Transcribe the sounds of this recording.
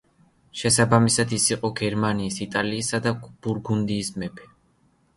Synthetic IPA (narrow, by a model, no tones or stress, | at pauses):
ʃɛsabamisad̪isiqʼɔɡɛɾmaniːsit̪ʼaliːsad̪ab̥uɾɡund̪iːsmɛpʰɛ̥